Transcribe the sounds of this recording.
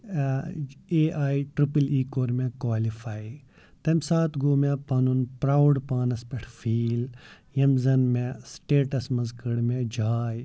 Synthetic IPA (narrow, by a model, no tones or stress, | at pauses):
eʔaːiʈɾipəliːkoːɾmẽkwaːlifʰaːj | t̪ɐmsaːt̪ɡoːmẽpɐnunpɾaːwɖpaːnɐspʲɛʈʰfʰiːl | jɐmzɐnmẽsʈeːʈɐsmɐzkɐɽmẽd͡ʒʱaːj